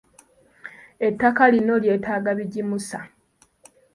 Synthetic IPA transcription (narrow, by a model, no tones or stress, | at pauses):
e̞tːakalino̞lje̞ːtaːɡaβiɟimusa